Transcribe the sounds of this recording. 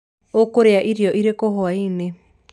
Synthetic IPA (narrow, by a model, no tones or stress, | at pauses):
okoɾeaʔiɾiɔʔiɾekoɦoaine